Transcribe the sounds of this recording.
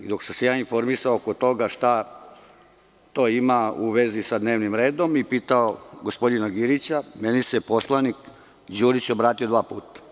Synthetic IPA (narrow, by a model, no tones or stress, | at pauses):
d̪o̞ksamsejaːinfo̞ɾmisaookot̪o̞ɡaʃt̪a | t̪o̞ːimauʋe̞zisad̪ne̞ːʋnimɾe̞ːd̪o̞mipiːt̪ao̞ɡospo̞d̪inaɡiɾit͡ɕamenisepo̞slˠanik | d͡ʑuːɾit͡ɕo̞bɾaːt̪iod̪ʋaːpṵːt̪ḁ